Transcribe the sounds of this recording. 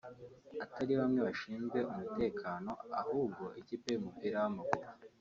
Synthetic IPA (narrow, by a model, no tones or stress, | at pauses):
ataɾiβamŋe̞βaʃiːnzɡe̞ʔumute̞ːkʰaːno̞ahuːb̚ɡo̞ʔiciːpe̞umupiːɾawamaɡuɾo